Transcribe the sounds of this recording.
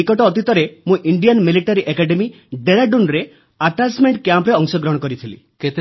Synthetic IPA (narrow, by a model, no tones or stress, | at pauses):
ikɔʈɔːt̪it̪ɔɾemũʔiɳɖijanmiliʈaɾiʔekaɖemi | ɖeɾaɖunɾe | aʈasmeɳʈkjãmpɾeɔŋsɔɡɾɔɦɔkɔɾit̪ʰilḭ | ket̪